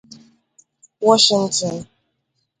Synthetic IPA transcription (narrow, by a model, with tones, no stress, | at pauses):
wɔ˦ʃi˨n˦tʰɔ˨n